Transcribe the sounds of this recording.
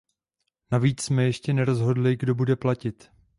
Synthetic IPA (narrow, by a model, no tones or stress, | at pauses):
naviːt͡ssmɛjɛʃcɛnɛɾo̞zɦo̞dlɪɡdo̞budɛplacɪt̪